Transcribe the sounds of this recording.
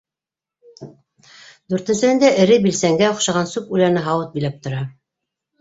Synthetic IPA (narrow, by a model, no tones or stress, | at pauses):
d̪ʉɾt̪ɘ̆nsɘ̆hɘ̆nd̪æʔɘ̆ɾɘbilsæŋɡæŏqʃɑʁɑnsʉpʉlæɾnɘɦɑwɤt̪̚bilæp̚t̪ŏɾɑ